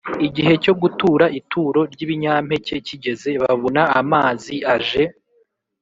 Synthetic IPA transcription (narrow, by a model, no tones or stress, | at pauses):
iɟiɦe̞co̞ɡutuːɾaʔitʰuːɾo̞ɾɟiβiɲaːm̥he̞ce̞ciɟe̞ze̞βaβonaːmaːziaʒe̞